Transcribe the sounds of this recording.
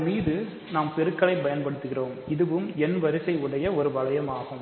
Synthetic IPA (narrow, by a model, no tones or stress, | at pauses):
miːðɯ | naːmpɛɾɯkːɐɭɐɪpɐjɐnpɐɽɯt̪ːɯɣɪroːmɪðɯʋɯmɛnʋɐɾɪsɐɪɯɽɐjɐɔɾɯʋɐɭɐjɐmaːɣɯm